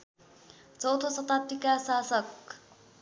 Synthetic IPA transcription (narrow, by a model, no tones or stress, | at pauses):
t͡sʌwt̪ʰosʌt̪at̪ːikasasʌk